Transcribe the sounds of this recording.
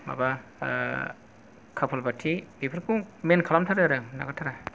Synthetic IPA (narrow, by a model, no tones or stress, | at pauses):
ma̰ba | kʰapʰɔlbatʰibipʰɯɾkʰuŋmenkʰalamtʰaɾaaɾɯna̰ɡatʰaɾa